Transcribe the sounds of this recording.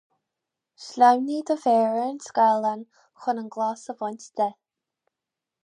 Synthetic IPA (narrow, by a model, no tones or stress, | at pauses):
ʃlʲawnid̪əfɛːɹəənskalˠan | xʊnənɡlasəvɔnʲtd̪̥ɛ